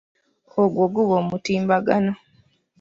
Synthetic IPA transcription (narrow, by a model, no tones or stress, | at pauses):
oɡwoɡuβoːmutiːmbaɡano